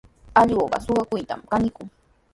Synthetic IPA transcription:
aʎoːpɑ̰soɢɑkʊjt̪a̰mkanɪkʊŋ

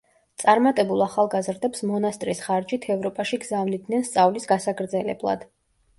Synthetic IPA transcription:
t̪sʼaɾmat̪ʼɛbulˠaχalˠɡazɾd̪ɛpsmɔnast̪ʼɾisχaɾd͡ʒit̪ʰɛvɾɔpʼaʃiɡzavnid̪nɛnst̪sʼavlisɡasaɡɾd̪zɛlɛ̰blˠa̰d̪̥

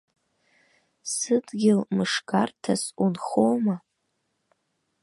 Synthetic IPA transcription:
sɨdɡʲɪlmɨʂkartʰasunχowma

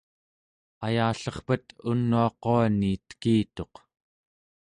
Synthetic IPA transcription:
ajaːɬʌχpət̪unːuɑqoaniːt̪kiːt̪o̞q

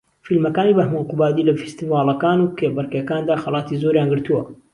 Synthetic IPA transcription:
filmɐkaːniːbɐhmunqubaːd̪ilɐfi̥st̪iːvɑːlˠɐkaːnuːkʰebɨɾkjɐkaːnd̪aːxɐlˠɑːt̪izoɾjaːnɡɨɾt̪uwɐ

